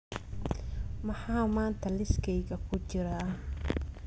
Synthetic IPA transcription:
mɐħaːmaːnt̪ʰɐlɪskʰɛjɣɐkʰʊt͡ʃɪɾaː

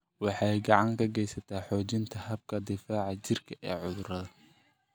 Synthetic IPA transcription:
wɑħɑjɡɑʕɑŋkʰɐɡɛjsɐt̪ʰaːħɔːt͡ʃɪnt̪ʰɐhɐb̚kʰɐd̪ɪfaːʕɑt͡ʃɪrkʰɐʔɛːʕʊðʊɾɐðɐ

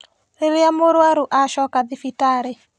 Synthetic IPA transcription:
ɾeɾeamoɾwaɾuʔaʃɔkaðifitaɾe

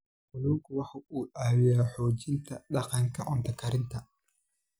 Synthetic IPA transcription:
ʔʊlɔːŋkʰʊwɑħɑuːʔaːwɪjaːħɔːt͡ʃɪnt̪ʰɐɗɑqɑŋkʰɐʔɔnt̪ʰɐkʰɐɾɪnt̪ʰɐ

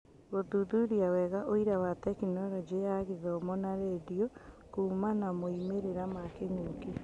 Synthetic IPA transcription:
ɣoðuðuɾiawɛɣaʔoiɾawatɛkinɔɾɔd͡ʒijaɣeðɔːmɔnaɾeːdiɔ | kuːmanamoimeɾeɾamakeŋoki

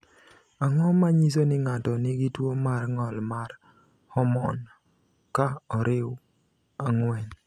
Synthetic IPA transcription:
aŋɔmaɲis̬onɪŋatɔnɪɡɪtwomarŋɔlmar | hɔmɔn | kaɔɾɪw | aŋwɛn

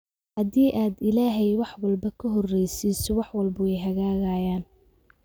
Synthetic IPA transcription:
hɐðiːʔaːd̪ɪlaːɦɛjwɑħwɑlbɐkʰɐɦɔrːɛjsisɔwɑħwɑlbʊɛjɦɐɣaːɣajaːn

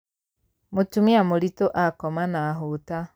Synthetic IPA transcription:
mutumiamolitoʔakɔmanaɦota

